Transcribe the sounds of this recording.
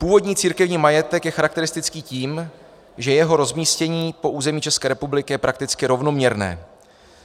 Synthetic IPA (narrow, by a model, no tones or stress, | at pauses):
puːvo̞dɲiːt͡siːɾkɛvɲiːmajɛt̪ɛkjɛxaɾak̚t̪ɛɾɪst̪ɪt͡skiːciːm | ʒɛjɛɦo̞ɾo̞zmiːscɛɲiːpo̞ʔuːzɛmiːt͡ʃɛskɛːɾɛpublɪkɪjɛpɾakt̪ɪt͡skɪɾo̞vno̞mɲɛɾnɛ̰ː